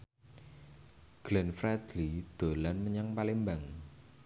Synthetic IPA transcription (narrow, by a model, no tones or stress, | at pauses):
ɡ̥lɛnfɾɛd̪̥lid̪̥o̤lanməɲaŋpalimbaŋ